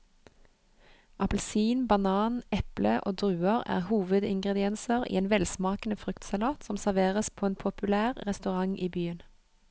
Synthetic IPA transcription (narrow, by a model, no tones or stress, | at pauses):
ʔɑpəlsiːnbɑnɑːnɛpləʔo̰ːd̪ʁʉːəʁæ̰ːʁhuːʋəd̪ɪŋɡʁɛd̪ɪɛnsəʁʔḭːeːnʋɛlsmɑːkənəfʁʏkt̪sɑlɑːt̪sɔmsæʁʋeːʁəspʰoːeːnpʰʊpʉlæːʁʁɛst̪ʉʁɑŋʔiːbyːən